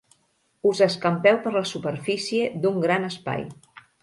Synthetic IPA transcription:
uzəskəmpɛwpəɾləsupəɾfisied̪uŋɡɾanəspa̰j

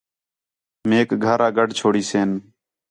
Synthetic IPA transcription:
meːkɡʱəɾaːɡəɖt͡ʃʰoːɽiːseːn

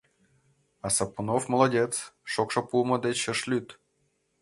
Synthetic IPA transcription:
asapunofmə̆lˠadʲet̪t͡sʃokʂɤ̆pulˠməd̪et͡ɕə̆ʂlʲyt̪

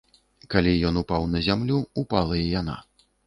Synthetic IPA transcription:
kalʲijɔn̪upawnɐzʲamlʲuupalˠɐjɛjana̰

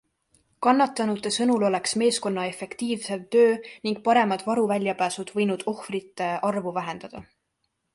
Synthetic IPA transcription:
kɑnːɑt̪ːˑɑnut̪ːˑesɤnulo̞le̞ksme̞ːsko̞nːɑe̞fe̞kt̪iːvse̞lt̪ø̞ːniŋɡ̥̚pɑɾe̞mɑd̪̥vɑɾuvælʲjɑpæːsud̪̥vɤjnud̪̥o̞hfrit̪ːˑe̞ʔɑrvuvæɦe̞nd̪̥ɑd̪̥ɑ

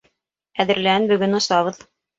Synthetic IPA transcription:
æðɘ̆ɾlæɘnbɵ̆ɡɵnŏst̪ɑβɤð

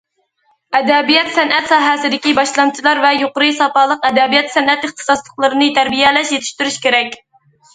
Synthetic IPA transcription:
ɛd̪ɛbijɛt̪sɛnʔɛt̪sɑːɦɛsɪd̪ɪkʲibɑʃlˠɑnt͡ʃʰilˠɑɾvɛjoqʊɾɨsɑpɑːlˠəqɛd̪ɛbijɛt̪sɛnɛt̪ɨχt̪ʰɨ̥sɑslˠəqlˠɨɾɨnɨt̪ʰæɾbijɛlɛʃjet̪ʰɪ̥ʃt̪yɾyʃkʲeɾɛkʲ

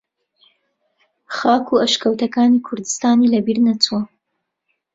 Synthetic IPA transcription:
xɑkʰuaʃkawt̪akɑnikʰʊɾd̪ɪst̪ɑːnilabiɾnat͡swa

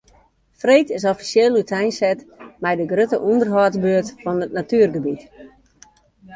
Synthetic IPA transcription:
freːtɪs̬ɔfi̥sjeːlˠytʰɛjnsɛtmɛjdəɡrøtəʔundərɦɔtbøətfɔnətnatyːərɡəbit

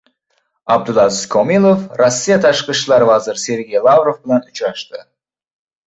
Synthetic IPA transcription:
ɑb̚d̪ulˠɑziskʰomilˠofrosːijat̪ʰɑʃqiʃlˠɑɾvɑzəɾse̞ɾɡʲejlˠɑvrovbɪlanʊt͡ʃɾɑʃt̪ə

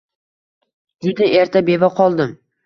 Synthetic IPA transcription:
d͡ʒʊd̪ɪʔe̞ɾt̪ʰabe̞vaqʰɒlˠd̪ɪm

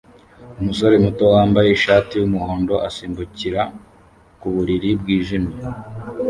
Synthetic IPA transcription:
umus̬o̞ɾe̞muto̞waːmbajeʃaːtiwumuhoːndo̞ʔasiːmbuciɾa | kuβuɾiɾibɡiːʒimi

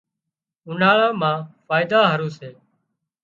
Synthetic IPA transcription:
ʊnaːɭãːmãːfaːɪd̪aːɦəɾuːseː

